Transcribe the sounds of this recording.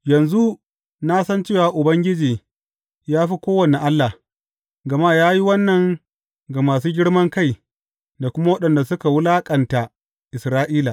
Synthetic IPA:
jɐ˨nzu˦ | na˦sɐ˦nt͡ʃeː˦˨waː˨ʔʊ˨bɐ˦ŋɡʲɪ˦d͡ʒiː˨ | jaː˦ɸi˦kʷoː˦wɐ˨ne˨ʔa˦lːa˨ | ɡɐ˨ma˦jaː˦ji˦wɐ˦nːɐ˨ŋ | ɡa˨maː˨suː˦ɡʲɪ˦ɽmɐ˦ŋka˦˨j | da˨kʷʊ˦ma˦wɐ˦ɗɐ˨nda˨sʊ˦ka˨wʊ˦laː˦kʼɐ˨nta˨ | ʔɪ˨sɾaː˦ʔiː˦laː˨

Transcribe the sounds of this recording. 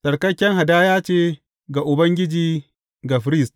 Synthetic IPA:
sʼɐ˨ɽkɐ˦kʲːɛ˦ŋha˨daː˦jaː˦t͡ʃeː˦ | ɡa˨ʔʊ˨bɐ˦ŋɡʲɪ˦d͡ʒiː˦ | ɡa˨ɸɾi˦˨st

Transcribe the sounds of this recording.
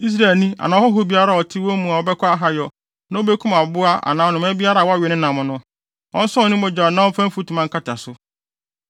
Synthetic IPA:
i˦s̬ɾa˨lnĩ˦a̰˨nã˨ɔ˦hɔ˦ɦo˦bi˦a˦ɾa˨ɔ˨tʰɪ˦wɔ˦mũ˨a˨wɔ˦bɛ˦kʰɔ˦a˦ɦa˨jɔ˨ | nã˦o˦be˦kʰʊ̃˦ma˨bʊ˦a˦ʔa̰˨nãː˨ɔ˨nʊ̃˨mɛ̃˦bi˦a˦ɾa˦˨wɔ˦a˦ɥɛ˨nɪ̃˦nã˨mʊ̃˨nʊ̃˦ | ɔ̃˦n̩˦sɔ̃˦˨nĩ˦ɔ˨d͡ʑa˨nã˦wɔ̃˦fã˦m̩˦fu˦tʰu˨mã˦ŋ̩˦kʰa˦tɪ˨a˨sʊ˦

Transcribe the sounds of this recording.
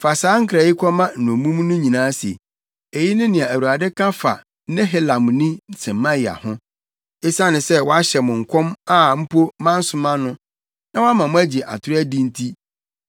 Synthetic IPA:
fa˨saː˨˦ŋ̩˦kʰɾa˨ji˦kʷʰɔ˦mã˦n̩˨nʊ̃˨mũ˦m˦nʊ̃˦ɲĩ˨nãː˦si˨ḛ˨ | e˨ji˦nɪ̃˦nɪ̃˨ã˨æ˨u˨a˨dɪ˦kʰã˦fa̰˨ | nɪ̃˦ɦe˦lã˨mnĩ˦n̩˨sɛ̃˨m˨mːã˦jɪ˨a̰˨hʊ̃˦ | e˦sã˦nɪ̃˨sɛ˦wɔ˦a˦ɕɛ˨mʊ̃˨ŋ̩˨kʰɔ̃˦ma˦m̩˦pʰo˦mã˦n̩˦sʊ˦mã˦nʊ̃˦ | nã˦wɔ˦a˦mã˨mʊ̃˦æ˦d͡ʑi˨ʔa̰˨tʰʊ˦ɾɪ˦æ˦dĩ˦n̩˦tʰi˦

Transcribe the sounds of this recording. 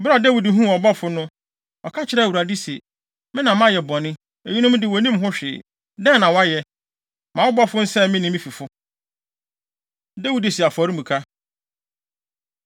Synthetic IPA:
bʊ˦ɾa˨dɛ˦wi˨dɦũ˦˨ɔ˨bɔ˦fʊ˨˦nʊ̃˦ | ɔ˨kʰa˦t͡ɕʰɪ˦ɾɛ˦˨wu˨ɾa˨di˦sḭ˨ | mɪ̃˦nã˨mã˦˨jɛ˨bɔ˨nɪ̃˦ | e˨ɲi˦nʊ̃˦m˦dɪ˨wɔ˨nĩ˦mɦʊ̃˦ɕᶣɪ̰˨ | dɛ̃˦nːã˨wɔ˦a˦jɛ˨ | mã˨wɔ˦bɔ˦fʊ˦n̩˦sɛ˦mɪ̃˦nĩ˦mĩ˦fi˨fʊ˦ | dæ˦wi˨di˨si˨a˨fʊ˨ɔ˨ɾi˦mũ˨kʰa˦

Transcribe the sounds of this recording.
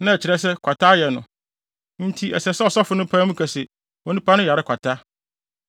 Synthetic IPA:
nã˦ɛ˨t͡ɕʰɪ˨ɾɛ˦s̬ɛ˦kʷʰa˨tʰa˦jɛ˨nʊ̰̃˨ | n̩˦tʰi˦ɛ̰˨sɛ˨sɛ˦ɔ˨sɔ˦fʊ˨˦nʊ̃˦pʰãː˦mũ˦kʰæ˨sɪ˨ | ɔ˨nũ˦pʰa˦nʊ̃˦ja˨ɾɪ˦kʷʰa˨tʰa˦

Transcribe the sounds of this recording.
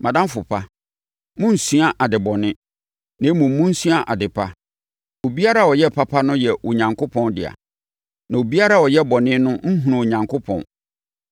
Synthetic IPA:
mã˨dã˦m˦fʊ˨pʰa˦ | mʊ̃˦n̩˨su˦a˦ʔa˨dɪ˨bɔ˨nɪ̃˦ | nã˨˦mũː˨˦ũ˦n̩˦su˦a˦˨ʔa˨dɪ˨pʰa˦ | o˨bi˦a˦ɾa˦˨wɔ˨jɛ˦˨pʰa˦pʰa˦nʊ̃˦jɛ˨wʔo˨ɲã˨ŋkʰʊ˦pʰɔ̃˦ndɪ̰˨a̰˨ | nã˨o˨bi˦a˦ɾa˦˨wɔ˨jɛ˦bɔ˨nɪ̃˦nʊ̃˦ŋ̩˦ɦũ˨nã˨o˨ɲã˨ŋkʰʊ˦pʰɔ̰̃˨n

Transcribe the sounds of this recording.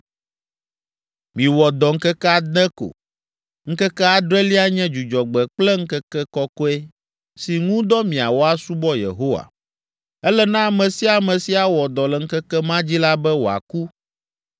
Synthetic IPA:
mĩ˨wɔ˨d̪ɔ˨ŋ̩˦kɛ˦kɛ˦a˦d̪ɛ̃˦ko̰˨ | ŋ̩˦kɛ˦kɛ˦a˦d̪ɾɛ˦li˦a˦ɲɛ̃˦d͡ʒu˨d͡ʒɔ˨ɡ͡bɛ˨k͡plɛ˦ŋ̩˦kɛ˦kɛ˦kɔ˦kɔ˦e˦ | si˨ŋũ˦d̪ɔ˦mĩ˨a̰˨wo˦a˦su˦bɔ˦jḛ˨ɦo˦wa̰˨ | ɛ˦lɛ˦nã˦a˨mɛ̃˨si˦a˨mɛ̃˨si˦a˦wɔ˨d̪ɔ˨lɛ˨ŋ̩˦kɛ˦kɛ˦mã˦d͡ʑi˦la˦bɛ˦wo˨a̰˨ku˦

